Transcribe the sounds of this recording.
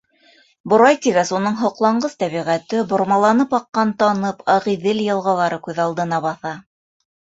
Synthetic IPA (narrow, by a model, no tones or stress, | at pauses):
bŏɾɑjt̪iβæsun̪ɤɴɦŏqlˠɑɴɢɤθt̪æβiʁæt̪ɘbŏɾmɑlˠɑnɤpɑqːɑnt̪ɑnɤpʰɑʁiðɘljɤ̆lˠʁɑlˠɑɾɤkʉðɑlˠd̪ɤ̆nɑβɑθɑ